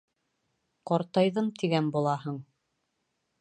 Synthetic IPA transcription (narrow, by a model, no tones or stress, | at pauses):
qɑɾt̪ɑjðɤmt̪ʰiɡænbulˠɑɦɤɴ